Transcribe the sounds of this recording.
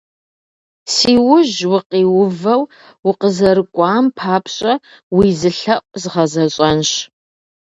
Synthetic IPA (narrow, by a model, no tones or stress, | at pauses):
siːwʊʑwʊqiːwʊvɐw | wʊqəzɐɾɨkʷʼɑːmpʰaːpʰɕʼɐ | wiːzɨɬɐʔʷʼzɨʁɐzɐɕʼɐnɕ